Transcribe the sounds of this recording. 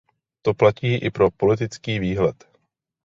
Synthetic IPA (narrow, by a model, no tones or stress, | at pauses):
t̪o̞placiːʔɪpɾo̞po̞lɪt̪ɪt͡skiːviːɦlɛt̪